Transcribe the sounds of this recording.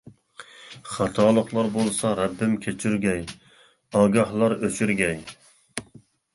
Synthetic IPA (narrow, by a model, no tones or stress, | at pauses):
χɑt̪ʰɑːlˠəqlˠɑɾbolˠsɑɾɛbːɪmkʲʰet͡ʃʰyɾɡʲɛj | ɑːɡɑhlˠɑɾøt͡ʃʰyɾɡʲɛj